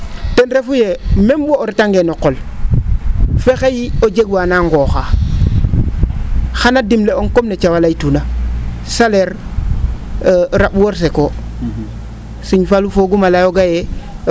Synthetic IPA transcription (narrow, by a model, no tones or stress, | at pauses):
tenɾefujememboːɾitaŋɡenoqol | fexejiod͡ʒeɡwanaŋɡoxa | xanadimleoŋkomnet͡ʃawalaitunasaleɾ | ɾaɓwoɾs̬eko | siɲfalufoɡumalajoɡaje